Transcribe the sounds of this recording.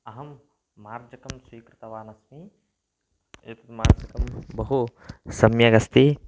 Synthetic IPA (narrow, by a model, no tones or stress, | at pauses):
ɐɦɐmː | aːɾd͡ʒɐkɐmswiːkɾɨt̪ɐʋaːnɐsmi | ḛːt̪ɐt̪maːɾd͡ʒɐkɐmbɐɦusɐmjɐɡɐst̪i